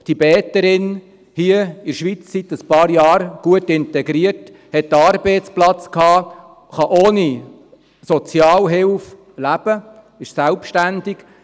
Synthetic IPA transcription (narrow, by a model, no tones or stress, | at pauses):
tibɛːt̪əɾɪn | hiəɪɾʃʋit͡ssit̪əspɑːɾjɑːɾɡ̥uətɪntɛɡɾiət | hɛt̚dəɑɾbeɪtt͡splɑt͡skhɑː | χɑʔoːni | sɔt͡sjɑːlɦɪlf | læb̥ə | ɪʃsælpʃtændɪk